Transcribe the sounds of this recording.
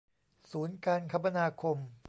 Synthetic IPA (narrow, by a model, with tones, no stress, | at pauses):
suː˩˦nkaː˧nkʰa˧ma˧naː˧kʰo˧m